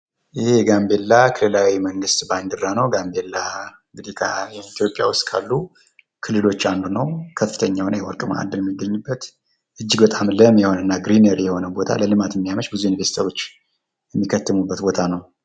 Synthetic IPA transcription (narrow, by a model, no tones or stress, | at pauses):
ʔɨheɡambe̞lːakʰɨlːɨlawiməŋɡɨst̪band̪ɨrːanəwɡambe̞lːaɨŋɡɨd̪ikʰəjɛit̪ʰjo̞pʼːja̰wʊst̪ʼkʰa̰lːu | kʰɨlːɨlo̞t͡ʃːand̪unəwkʰəfːɨ̥t̪ʰəɲːawnewɔɾkʼɨmaa̰d̪ɨnjɛmːiɡːəɲːubːət̪ | ʔɨd͡ʒːɪɡbət̪ʼamləmjɛho̞nəɨnːaɡɾineɾjɛho̞nəwbo̞t̪ʰa̰ləlɨmat̪ɛmːijaməʃbɨzujuniveɾsit̪ʰaɾwo̞t͡ʃː | jɛmːikʰːət̪ːɨmubːət̪bo̞t̪ʰanəw